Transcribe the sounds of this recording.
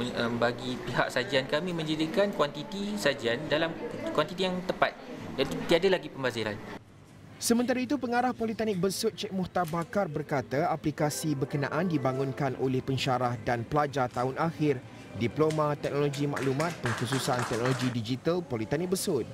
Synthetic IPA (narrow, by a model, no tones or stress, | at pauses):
mbaɡipiɦa̰ksad͡ʒiankamĩmə̃ɲd͡ʒadikankwant̪it̪isad͡ʒiandalamkwant̪it̪ijaŋt̪əpat̪̚dat̪ut̪iadalaɡipəmbaziɾa̰n | səmənt̪aɾait̪̬upəŋaɾahpolit̪anɪk̚bəsʊt̪̚t͡ʃɛk̚mɔht̪abakarbərkat̪aaplikasibərkənã̰ʔandibaŋũnkanʔo̰lɛhpəɲʃaɾahdanpəlad͡ʒat̪aɦʊnaxɪr | diplomãt̪ɛk̚noloɡimã̰ʔlumãt̪̚pəŋkususant̪ɛk̚noloɡidid͡ʒit̪alpolit̪anɪk̚bəsʊt̪̚